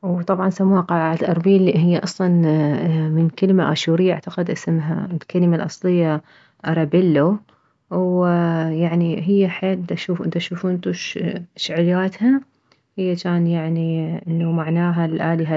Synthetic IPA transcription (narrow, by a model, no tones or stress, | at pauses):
wt̪ˤɑbʕɑnsamːuːhaqɑlʕaʕat̪ʔɑɾˤbiːliɦɪjːaʔɑsˤlɑn | mɪnkalmaʔa̰ʃuːɾɪjːaʔa̰ʕt̪aqɪd̪ʔɪsmɦa̰ɪlkalmalʔɑsˤlɪjːa | ʔɑɾˤɑbɪlːu | wjaʕniɦɪjːaħeːld̪aʃuːfʔd̪aʃuːfʊnt̪uʃʃʕjaːt̪ha | hɪjːat͡ʃaːnjaʕniʔɪnːumaʕnaːɦalʔaːlɪɦa